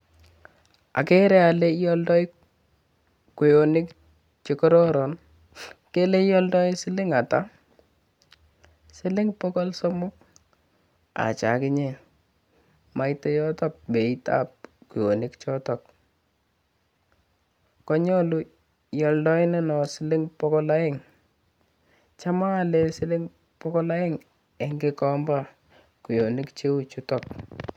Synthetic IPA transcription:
a̰˨ke˦ɾɛ˦a˨le˦jɔ˦ldɔ˦j | ku˨jo˨nɪ˦k | t͡ʃe˨kɔ˦ɾɔ˦ɾɔ˨n | ke˦le˦jɔ˦ldɔ˦ɪ˦sɪ˦lɪ˦ŋa˨ta˦ | sɪ˦lɪ˦ŋpɔ˦kɔ˦lsɔ˦mʊ˦k̚ | a̰˨t͡ʃa̰˨kɪ˦ɲe˨ | ma˦jtɛ˦jɔ˦tɔ˦k̚be˨ita̰˦p̚ku˨jo˨nɪ˦kt͡ʃɔ˦tɔ˨k̚ | kɔ˦ɲɔ˦lu˦ | jɔ˨ldɔ˦ɪ˦nɛ˦nɔ˨sɪ˦lɪ˦ŋpɔ˦kɔ˦la˦ɪ˦ŋ | t͡ʃa˦ma˦˨le˦sɪ˦lɪ˦ŋ | pɔkɔ˦la˦ɪ˦ŋ | e˦ŋɡɪ˦kɔ˦mba˦ | ku˨jo˨nɪ˦kt͡ʃe˦u˦t͡ʃu˦tɔ˨k̚

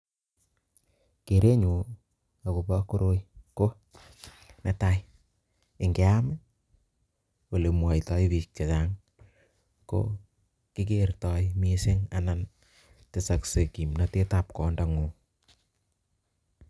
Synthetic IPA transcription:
ke˨ɾe˦ɲu˨ | a˨ko˨pa˦ko˦ɾo˦jko˦ | nɛ˨ta˦j | ɪ˨ŋɡe˨˦a˦mɪ˦ | o˨le˨mwa˨jtɔ˦jβi˨k̚t͡ʃa˨t͡ʃa˦ŋ | ko̰˦ | kɪ˦k̬e˦rtɔ˦jmi˦se˦ŋa̰na˦n | tɪ˨sa˨kse˨ki˨mna˨te˦ta˨p̚kɔ˨nda˨ŋo˨

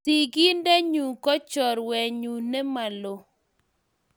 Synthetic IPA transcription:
i˨ɡi˦nde˦ɲu˨kɔ˦t͡ʃɔ˨ɾwɛ˨ɲu˨nɛ˦ma˨lo˨

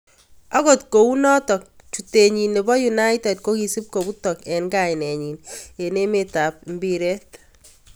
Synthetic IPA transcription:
ɔ˦kɔ˨tko˨u˦nɔ˦tɔ˨k̚ | t͡ʃu˨te˨ɲi˨nːe˨bɔ˦juna˦jtɛ˨d̚ko˦ki˨si˦p̚ko˨bu˦tɔ˨kɛ˨ŋɡaɪnɛ˨ɲi˨ne˨ne˦meta˨p̚mbi˦ɾɛ˦t

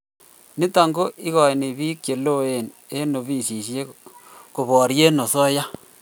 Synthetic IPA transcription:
ni˦ta˨ŋɡo˦ʔi˦ɣɔ˨e˨ni˨βi˦kje˨lo˦e˨n | e˦no˨βi˦˨si˨ʃje˦ko˨βɔ˨ɾje˦no˨sɔ˦ja˦

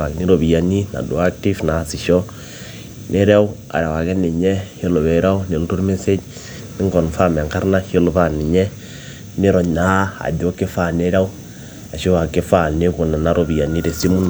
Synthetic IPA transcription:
a˨ɣni˦ɾo˨βi˨a˨ni˦na̰˨do˨a˦kti˦fna˨si˨ʃɔ˦ | ne˦ɾa˦u˦ | a̰˨ɾa˨wa˨ɣɛ˦ne˨ɲɛ˦he˦lo˨βɛ˨ɾa˦u˦ne˨n˦tu˦ɾme˦se˦d͡ʒ | ni˦ŋɡɔ˨nfa˦mɛ˨ŋka˦ɾna˦hi˦lo˨βa˦ni˨ɲɛ˦ | ne˦ɾɔ˨ɲa˦a̰˨do˦ke˦fa˦ne˦ɾa˦u˦ | a˨ʃo˦wa˨ke˦fa˦˨ne˦βo˨na˨na˦ɾo˨βi˨a˨ni˦ɾe˨si˦mu˦n

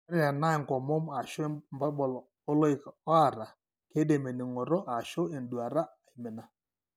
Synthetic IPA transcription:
ɾa˨na˦e˨ŋ˨kɔ˨mo˦m˦a˨ʃɔ˦mba˦ɓɔ˨lɔ˨ | o˦lo˦i˨kɔ˦a˨ɾa˨ | ke˦de˨me˨nɪ˨ŋɔ˨ɾɔ˦ʔa˨ʃo˦e˨n˦du˨a˨ɾa˦˨e˨mɪ˨na˨

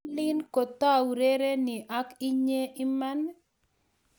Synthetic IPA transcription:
lɪ˦nko˨t̪a˦˨ɾe˦ɾe˦nɪ˨ʔa˦ki˦ɲe˦ʔɪ˦ma˦n

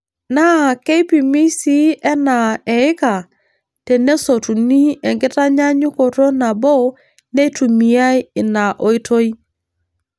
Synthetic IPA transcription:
na˦ke˦i˦pi˨mi˦si˦ɛ˦na˨ɛ˨ɪ˦ka˨ | tɛ˨ne˦so˨tu˨ni˦ɛ˨ŋɡɪ˦ta˦ɲa˦ɲʊ˦ko˨ɾo˦na˨bɔ˦ | ne˦tu˨mi˨a˦jɪ˨na˨ʔo˨˦i˦to˦i˦

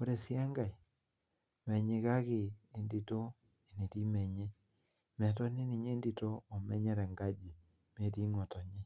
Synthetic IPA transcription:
o˦ɾe˨sja˦ŋɡa˨i˨ | mɛ˨ɲe˨ɣa˦ɣeː˨ndi˨to˦ | e˨ne˨ɾi˦mɛ˨ɲɛ˦ | mɛ˨tɔ˦ne˦ne˨ɲeː˦ndi˨toː˦˨mɛ˦ɲɛ˦ɾɛ˨ŋɡa˦d͡ʒi˨ | me˨ɾi˦ŋɔ˨tɔ˨ɲe˦

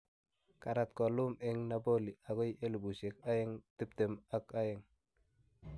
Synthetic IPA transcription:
ka˨ɾa˨t̪̚kɔ˨lu˦meŋnabo˦li˨a˨ko˦je˦li˨bu˨se˨ka˦jɪ˦ŋti˦p̚te˨ma˦ka˦jɪ˨ŋ

